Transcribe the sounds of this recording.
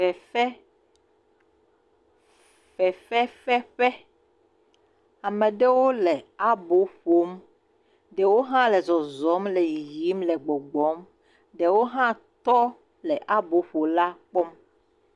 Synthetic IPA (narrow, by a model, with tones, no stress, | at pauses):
ɛ˨fɛ˦ | ɸɛ˨fɛ˦fɛ˦ɸɛ˦ | a˨mẽ˨ɖe˦wo˦le˨a˦bo˨˦ɸo˨˦m | ɖe˨wo˦ɦã˦lɛ˨zɔ˨zɔ˨˦mlɛ˨ji˨ji˨˦mlɛ˨ɡ͡bɔ˨ɡ͡bɔ˨˦m | ɖe˨wo˦ɦã˦t̪ɔ˦ | lɛ˨ʔa˦bo˨˦ɸo˨la˦k͡pɔ˦m